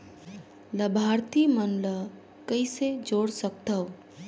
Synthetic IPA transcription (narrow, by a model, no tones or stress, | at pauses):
ləbʱaːɾt̪imənlə | kəɪsed͡ʒoːɽsək̚t̪əw